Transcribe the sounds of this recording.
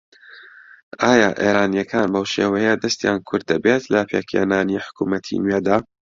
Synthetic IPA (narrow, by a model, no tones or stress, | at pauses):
ʔaːjaːʔḛːɾaːnjɐkʰaːnbɐwʃeːwɛjəd̪ɐst̪jaːnkʰʊɾd̪ːɐbet̪lɐpʰeːkʰḛnaːniħʊ̥kuːmɐt̪ʰḭnɥeːd̪aː